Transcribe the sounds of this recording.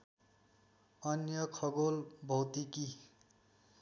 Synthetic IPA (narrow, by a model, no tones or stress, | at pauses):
ʌnjʌkʰʌɡolbʱʌwt̪iki